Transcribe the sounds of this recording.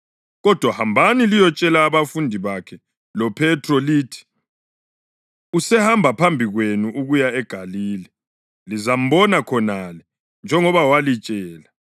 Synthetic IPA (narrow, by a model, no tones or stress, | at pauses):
ɣɔd̥ʱwahambʱanilijɔt͡ʃʼɛlaːβafundʱiβakʰɛ | lɔpʰɛtʰrɔliːtʰi̥ | usɛhambʱapʰambʱiɣwenuʔuɣujaɛɡ̥ʱaliːlɛ | lizam̩βɔnakʰɔnalɛ | nd͡ʒʱɛŋɔβawalit͡ʃʼɛːla